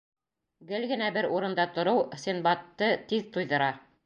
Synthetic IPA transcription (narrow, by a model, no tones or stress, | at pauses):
ɡɘlɡɘ̆næbɘɾuɾɤ̆nd̪ɑt̪ŏɾɤwsʲinbɑt̪ːɤt̪iðt̪ujðɤ̆ɾɑ